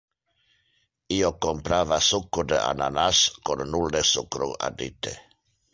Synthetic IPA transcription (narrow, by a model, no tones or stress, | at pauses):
iokompɾavasukːud̪ea̰na̰naskonːuld̪esukɾua̰d̪it̪ḛ